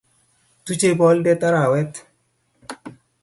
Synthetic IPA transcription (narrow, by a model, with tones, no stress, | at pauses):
t̪u˦t͡ʃe˦bɔ˦ldɛ˦t̪a˦ɾa˨wɛ˦t̪